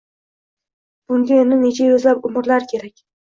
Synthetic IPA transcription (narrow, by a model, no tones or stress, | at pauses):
b̥ʊŋɡʲaonɪne̞t͡ʃʰajɵzlapʊmɪɾlaɾkʲʰe̞ɾakʲ